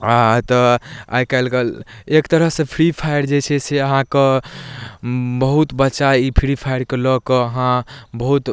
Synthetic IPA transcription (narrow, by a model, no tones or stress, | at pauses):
at̪ɔa̰jkajlɡel | ekt̪əɾəɦsẽpʰɾipʰajəɾd͡ʒet͡ʃʰɛseəɦãke | bəɦut̪bətːʃaipʰiɾipʰajɾkelɔkɔəɦãbəɦut̪